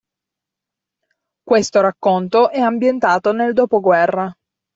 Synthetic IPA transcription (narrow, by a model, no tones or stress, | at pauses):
kwest̪oɾakːont̪oʔɛambjent̪aːt̪oneld̪oːpoɡwɛrːa